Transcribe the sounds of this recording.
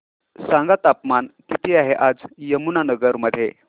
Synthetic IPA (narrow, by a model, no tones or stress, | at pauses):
sãŋɡat̪apmankit̪iaɦeʔad͡zjəmunanəɡəɾməd̪ʱːje